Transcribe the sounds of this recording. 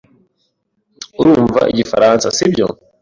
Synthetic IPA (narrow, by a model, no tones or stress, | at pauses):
uɾuːɱva̰ʔiɟifaɾansasibɟo̰